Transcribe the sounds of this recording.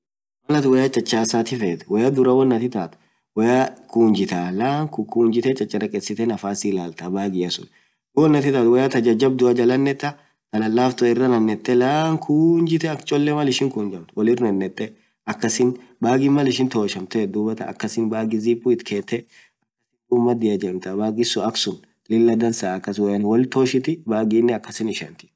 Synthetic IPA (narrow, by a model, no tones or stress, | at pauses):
mɐlɐt̪wɐjat͡ʃʼɐt͡ʃʼːaːsaːt̪ɪfeːt̪ɛ̥wɐjɐd̪ʊɾɐwɐnːɐt̪ɪt̪a̰ːt̪ | wɐjɐkuːnd͡ʒɪt̪alaːŋkukuːnd͡ʒɪt̪ɛt͡ʃʼɐt͡ʃʼːɐɾɐkʼɛsɪt̪ɛnɐfaːsɪlaːlt̪ɐbaːɡɪjɐsʊ̰n | wɔnːɐt̪ɪt̪aːt̪wɛjat̪ɐd͡ʒɐd͡ʒɐb̚d̪ʊɐd͡ʒɐlɐnːɛt̪ːɐ | t̪ɐlɐlːaːft̪ʊɪrːɐnɐnːɛt̪ʼːɛlaːŋkʰuːnd͡ʒɪt̪ɛɐkt͡ʃʼɔlːɛmɐlɪʃɪŋkʊːnd͡ʒɐmt̪ʊwɔlɪrnɐnːɛt̪ʼːɛ | ɐkːɐsɪnbaːɡɪmɐlɪʃɪnt̪oːʃɐmt̪ɛd̪ubɐt̪ɐ̰ɐ̰kːɐsɪnbaːɡɪziːpʼːuɪt̪kʰeːt̪ːɛ | ɐkːɐɪd̪uːmːɐd̪ɪjɐd͡ʒɐmt̪ɐbaːɡɪsʊɐksʊn | lɪlːɐd̪ɐnsaːɐkːɐswjanwɔlt̪oːʃɪt̪ɪbaːɡiːnːɛɐkːɐsɪnɪʃɐ̰nt̪ɪ̥